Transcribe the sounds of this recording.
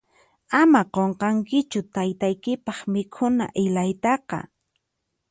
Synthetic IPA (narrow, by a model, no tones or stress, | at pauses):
amaqoɴqɑŋkɪt͡ʃʊt̪ajt̪ajkɪpɑχmɪkʰʊna̰ʔɪlajt̪ɑqɑ̰